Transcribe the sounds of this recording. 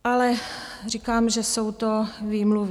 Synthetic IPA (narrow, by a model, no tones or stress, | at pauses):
alɛrikaːmʒɛsowt̪oviːmluv